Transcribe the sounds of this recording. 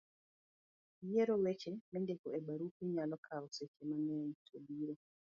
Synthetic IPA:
jeɾowet͡ʃenɛndekoebaɾupiɲalɔkʰaɔset͡ʃemanɛitʰobiɾo

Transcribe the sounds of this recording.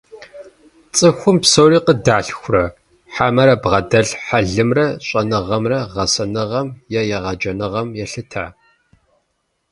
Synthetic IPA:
t͡sʼɨxʷʊmpsowriːqədaːɬxʷʊrɐ | ħaːmɐɾɐbʁɐdɐɬħaɮɨmrɐɕʼɐnɨʁɐmrɐʁɐsɐnɨʁɐmjɛjɛʁɐd͡ʒɐnɨʁɐmjɛɬɨtʰaː

